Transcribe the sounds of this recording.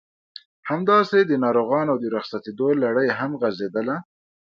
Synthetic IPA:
hamd̪ɑsed̪ənɑɾoɣɑnawd̪əɾaxsat̪ed̪olaɽəjɦamɣazed̪əla

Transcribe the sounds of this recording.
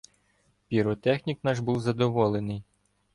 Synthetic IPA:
pʲiɾɔt̪ɛxnʲiknɑʒbuwzɐd̪ɔʋɔlˠenɪj

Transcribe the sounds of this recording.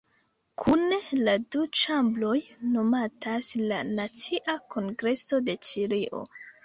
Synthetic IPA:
kʰuneladut͡ʃamblo̞jno̞mataslanat͡siʔakʰo̞ŋɡɾe̞so̞de̞t͡ʃiɾiʔo̞̰

